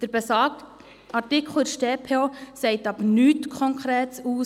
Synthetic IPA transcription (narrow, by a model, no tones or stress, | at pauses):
d̥əɾbɛsɑːk | ɑtɪkʰl̩ʃteːpʰeosɛɪtɑbnyːtkʰɔŋkʰχɾeːtsuː